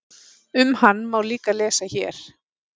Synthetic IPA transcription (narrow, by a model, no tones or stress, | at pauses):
ʏmhanːmawliːkalɛːsaçɛːɾ̥